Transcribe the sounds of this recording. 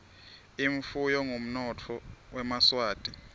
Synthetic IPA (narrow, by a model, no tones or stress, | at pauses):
iɱfujɔŋʱom̩nɔt͡fʰɔwɛmaswaːtʼi